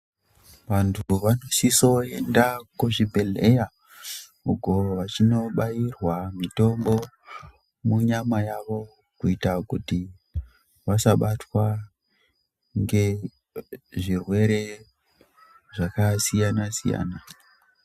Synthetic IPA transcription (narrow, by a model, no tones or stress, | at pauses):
ʋantʰuʋano̞siso̞e̞ndakuʐibʱe̞lḛja | ukoʋat͡ʃino̞ɓajirwamito̞mbo̞ | muɲamajaʋo̞ | kuitakuti | ʋasaɓatwa | ŋɡe̞ | ʐirwe̞ɾe̞ | ʐakasijanasḭja̰ːna